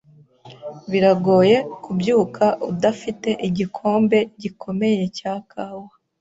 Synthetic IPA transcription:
βiɾaɡo̞ːje̞kubjuːkʰaʔudafite̞ʔiɟikʰo̞ːmbe̞ɟikʰo̞me̞je̞caːkʰaːwa

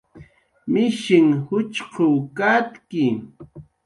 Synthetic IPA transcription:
mɪʃɪŋhʊt͡ʃqʊkat̪kɪ

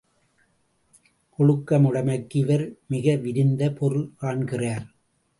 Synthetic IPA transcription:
kɔɭɯkːɐmɯɽɐmɐkːɪʋɐɾmɪɣɐʋɪɾɪnd̪ɐpʰɔɾɯɭkaːɳkɪraːɾ

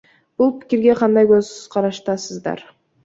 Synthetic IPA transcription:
b̥ulˠpɪ̥kʲiɾɡʲe̞qʰɑnd̪ɑjkøzqʰɑɾɑʃt̪ɑsɯzd̪ɑ̰ɾ

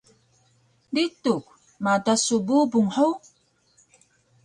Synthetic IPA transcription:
dituk | matasububuŋħow

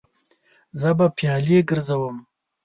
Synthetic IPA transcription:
zəbapjɑːleɡəɾzawəm

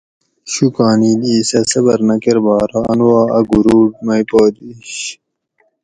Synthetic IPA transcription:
ɕukaːniːliːsɐsɐbɐɾnɐkeɾbaːɾaɐnuwaːɐɡuɾuːʈ̚mɐjpoːd̪iɕ

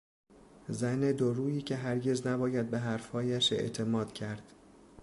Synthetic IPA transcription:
zæned̪oɾuːjiːcʰe̞ɦæɾɟe̞znæbɒːjæd̪̚beɦæɾfhɒːjæʃe̞̰ʔt̪ʰe̞mɒːd̪̥cʰæɾd̪̥

